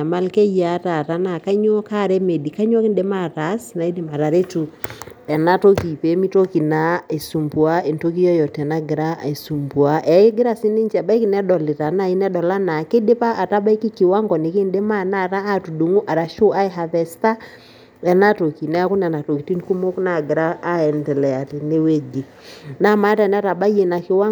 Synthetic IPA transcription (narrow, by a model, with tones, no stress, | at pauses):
a˨ma˦lkɛ˦ja˨˦ta˨ɾa˨na˨ka˦ɲɔ˦ka˦˨ɾɛ˦me˨di˨ka˦ɲ˦ɔ˦kɪ˦nde˦ma˦ɾa˨˦sna˨i˦dɪ˨ma˨ɾa˨ɾe˦tu˨ɛ˨na˦to˦ki˨pe˨˦mi˦to˦ki˨na˦e˨su˨mbu˨a˦e˨nto˦k̬i˦jɔ˦jɔ˨tɛ˨na˦ɡɪ˨ɾa˦e˨su˨mbu˨a˨˦ʔɛ˨e˦ɡɪ˦ɾa˦˨sɪ˦nɪ˦nt͡ʃɛ˨ba˦i˦ki˨nɛ˦dɔ˨lɪ˨ta˨na˦i˦nɛ˦dɔ˨la˦na˨ke˦de˦pa˦a˨ta˦ba˦i˦ki˦kɪ˨wa˦ŋɡɔ˨ne˨ke˦nde˦ma˦na˦˨ɾaː˦tu˨du˨ŋu˦ʔa˨ɾa˨ʃo˦a˦ɪ˦ɦa˨ðɛ˨sta˦ | ɛ˨na˦to˨ki˨na˦kʊ˦nɛ˨na˨to˨ki˨ti˦n˦ku˦mo˦kna˨ɡɪ˨ɾaː˦ɛ˨ndɛ˨lɛ˨a˨ti˨ne˦we˦d͡ʒe˨ | na˦ma˦ta˨n˦a˦ta˨ba˦je˨na˨kɪ˨wa˦